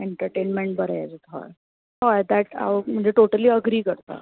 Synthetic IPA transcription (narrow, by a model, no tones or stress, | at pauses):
eɳʈəɾʈenmeɳʈ̚bəɾed͡zut̪ʰɦɔ̰j | ɔjd̪æʈa̰ʋm̤əɳd͡zeʈoʈəliːəɡɾiːkəɾt̪a̰